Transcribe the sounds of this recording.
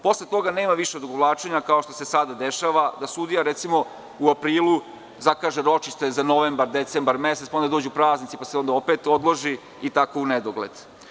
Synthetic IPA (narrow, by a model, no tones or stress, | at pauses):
po̞slˠet̪o̞ɡaneːmaʋiʃed̪oɡoʋlˠaːt͡ʃe̞ɲakao̞ʃt̪o̞se̞sad̪ad̪e̞ʃaʋad̪asud̪ijaɾet̪simo̞ | uapɾiːlˠu | zakaːʒeɾo̞t͡ʃiʃt̪e̞zano̞ʋembaɾd̪et̪sembaɾmeset̪paond̪ad̪o̞ːd͡ʑuupɾaːznit̪ipaseo̞nd̪ao̞pet̪o̞d̪lˠoʒi | it̪ako̞uned̪oɡlḛd̪̥